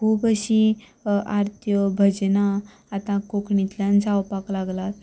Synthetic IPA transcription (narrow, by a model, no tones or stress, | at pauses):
kʰuːbəɕi | aɾt̪ʰjəbʱəd͡ʑnaː | t̪ãkokɳit̪ljãnd͡zawpaklaɡlat̪